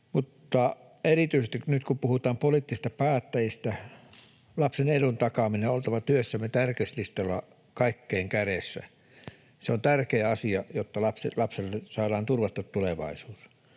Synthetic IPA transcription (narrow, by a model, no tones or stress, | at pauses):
mut̪ːɑ | erit̪yisest̪iknyt̪kumpuhut̪ɑːmpoliːˑt̪ːisist̪ɑpæːt̪ːæjist̪æ | lɑpsenedunt̪ɑkɑmineolt̪ɑʋɑt̪yøsːæmːˑet̪ærkeslist̪ɑlːɑ | kɑikːeːŋkæresːæ̰ | seont̪ærkeːɑsiɑjot̪ːɑlɑpselɑpselːesɑːdɑːnt̪urʋɑt̪ːut̪t̪uleʋɑ̰isuːs